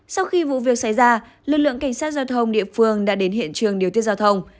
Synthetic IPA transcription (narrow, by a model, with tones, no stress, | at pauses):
sa˧wxi˧vṵ˧˨vi˨˩ək̚sa˧˩jzaː˧ | lɨ˨k̚lɨ̰˧˨əŋka˧˩ŋ̟saː˦˥t̚zaː˧wt̪ʰə˧wŋ͡mɗḭ˧˨əfɨ˧əŋɗa̰ː˧˥ɗe˨˦nhḭ˧˨ənt͡ɕɨ˨˩əŋɗi˨˩ət̪i˦əzaː˧wt̪ʰə˧wŋ͡m